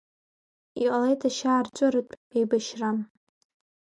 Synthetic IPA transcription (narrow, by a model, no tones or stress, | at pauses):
ḭqalejtʰaʃaːrt͡ʃʷʼʊrɨtʼejbaʃram